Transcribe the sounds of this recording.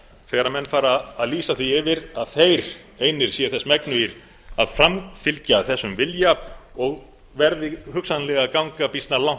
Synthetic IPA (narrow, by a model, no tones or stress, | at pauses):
θɛːɣɾamɛnːfaːɾaːðliːsaθiɪvɪɾaðθejɾ | eːjnɪɾ̥siːaθɛsːmɛknʏiɾ | aðfɾamfɪlcaθɛsːʏmvɪljaɔɣ | vɛɾðɪhʏksanlɛɣakawŋkapist̪nalaw̥